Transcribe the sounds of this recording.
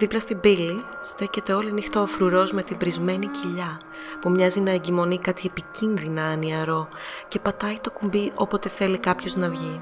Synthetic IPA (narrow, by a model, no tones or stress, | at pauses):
ðiplɐst̪ibilist̪e̞ce̞t̪e̞o̞linixt̪oːfɾuɾo̞zme̞t̪imbɾizme̞niciʎɐ | pumɲɐzinɐeɲɟimo̞nikɐt̪iepicinðinɐːniɐɾo̞ce̞pɐt̪ɐit̪o̞kumbiʔopo̞t̪e̞θe̞likɐpço̞znɐvʝi